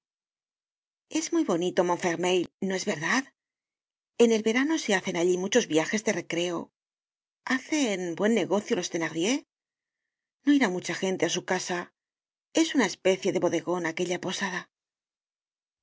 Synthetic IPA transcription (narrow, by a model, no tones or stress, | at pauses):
e̞zmujβo̞nit̪o̞moɱfeɾmejlno̞e̞zβe̞ɾðað | e̞ne̞lβe̞ɾano̞se̞aθe̞naʎimut͡ʃo̞zβjaxe̞zðe̞re̞kɾe̞o̞̰ | aθe̞nbwe̞nːe̞ɣo̞θjolo̞st̪e̞naɣðje̞ | no̞iɾamut͡ʃaxe̞nt̪e̞asukasa | e̞sunae̞spe̞θje̞ðe̞βo̞ðe̞ɣo̞nake̞ʎapo̞saða